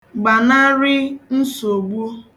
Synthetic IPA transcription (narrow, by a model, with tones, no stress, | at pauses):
ɡ͡ba˨na˦ɾɪ˦n̩˦so˨ɡ͡bu˦